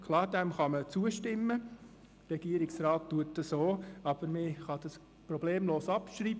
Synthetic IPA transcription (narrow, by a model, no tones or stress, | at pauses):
kʰlɑːɾdɛmχɑmət͡suːəʃtɪmːə | ɾɛɡ̥iːəɾɪksrɑːtːuətːəsoːɑb̥əɾmɪχɑd̥ɑs | prɔb̥leːmloːsɑpʃriːb